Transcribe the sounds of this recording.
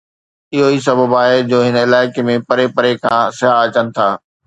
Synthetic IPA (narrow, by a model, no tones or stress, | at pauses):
ɪɦois̬ɐbʱəbaːɦed͡ʑoːɦɪnɪlaːɪkemẽpɐɾepɐɾekʰã̰sɪɦaɐt͡ɕənɪ̆t̪ʰaː